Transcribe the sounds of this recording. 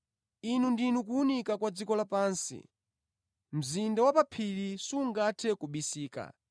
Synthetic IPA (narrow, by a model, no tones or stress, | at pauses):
inundinukuunikakwad͡zikɔlapaːnsḭ | m̩zindawapapʰilisuŋɡatʰɛkuɓisiːka̰